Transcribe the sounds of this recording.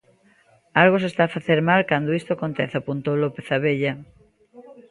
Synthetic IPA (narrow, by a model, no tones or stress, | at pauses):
alɣos̬est̪aːfaθeɾmalkand̪oist̪oakont̪eθapunt̪olopeθaβeʎɐ